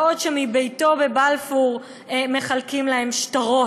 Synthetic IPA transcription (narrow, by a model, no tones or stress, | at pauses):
odʃemibejto̞bebalfuʁ | me̞χalkimlahe̞mʃtaʁo